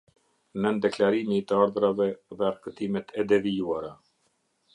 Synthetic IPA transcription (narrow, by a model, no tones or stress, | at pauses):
nənd̪ɛklaɾimit̪əaɾðɾavɛðɛaɾkət̪imɛt̪ʰɛd̪ɛvijuaɾa